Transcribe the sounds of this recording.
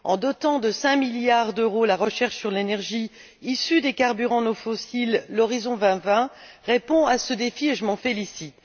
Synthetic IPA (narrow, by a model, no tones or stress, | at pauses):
ɑ̰̃d̪ɔt̪ɑ̃d̪əsɛ̃miljaʁd̪øʁolaʁəʃɛʁʃsyʁlenɛʁʒi | isyd̪ekaʁbyʁɑ̃nofɔsilːɔʁizɔ̃vɛ̃vɛ̃ | ʁepɔ̃asəd̪efieʒəmɑ̃felisit̪